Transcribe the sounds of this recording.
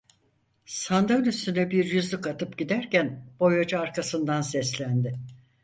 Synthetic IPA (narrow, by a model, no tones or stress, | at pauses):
sand̪ɯnyst̪ynɛbiɾjyzlʲykat̪ʰɯpɟid̪æɾcænb̥o̞jod͡ʒaːɾkʰasɯnd̪ansɛslʲænd̪ɪ